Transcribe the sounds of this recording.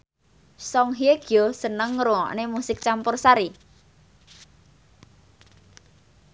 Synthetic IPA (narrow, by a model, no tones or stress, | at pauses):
sɔŋɦieɡ̥josənəŋːɾuŋɔ̰ʔnemusɪk̚t͡ʃampʊrsaɾi